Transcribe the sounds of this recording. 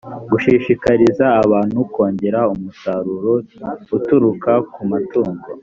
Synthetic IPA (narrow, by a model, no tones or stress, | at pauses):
ɡuʃiʃikaɾizaːβaːn̥huko̞ːɲɟe̞ɾaumusaɾuɾoutuɾukakumatuːŋɡo̞